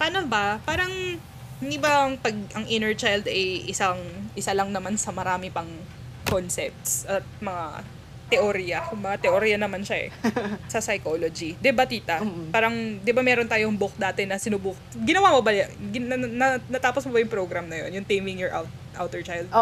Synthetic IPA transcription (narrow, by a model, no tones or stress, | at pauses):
paːnobɐpaːɾɐŋ | nɪbaŋpɐɡ̚ʔɐŋʔɪnɛɹt͡ʃajld̪ɐjʔɪsaŋʔɪsalɐŋnɐmansɐmɐɾaːmɪpɐŋ | konsɛ̰p̚t̪sʔɐt̪̚mɐŋa̰ | t̪ɛʔoɾijɐmɐŋat̪ɛʔoɾijɐnɐmanʃaʔɛ̰sɐsɐjkolod͡ʒid̪ɪbat̪iːt̪ɐpaːɾɐŋd̪ɪbamɛːɾont̪aːjoŋbok̚d̪aːt̪ɪnɐsɪnʊbʊk̚ | ɡɪnɐwamobɐjɡɪɐnɐnɐt̪aːposmobɐjʊŋpɾoɡɾɐmnɐjo̞̰njʊŋt̪ejmɪŋjɔɹʔa̰wt̪ | ʔa̰wt̪ɛɹt͡ʃajld̪̚